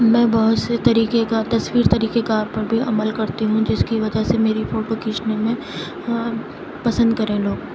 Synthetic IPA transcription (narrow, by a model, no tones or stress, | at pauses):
mɛ̃ːbɐɦʊt̪set̪ɐɾiːkekat̪ɐsʋiːɾt̪ɐɾiːkekaaːɾpɐɾbʱiɐməlkɐɾt̪iɦũd͡ʒɪskiʋɐd͡ʒəsemeːɾifoːʈokiːt͡ʃnemẽ | pɐsə̃nd̪̚kɐɾẽloːɡ